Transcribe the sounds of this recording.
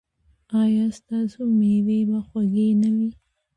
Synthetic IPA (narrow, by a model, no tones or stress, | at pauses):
ɑjɑst̪ɑsomewebaxwaɡenawi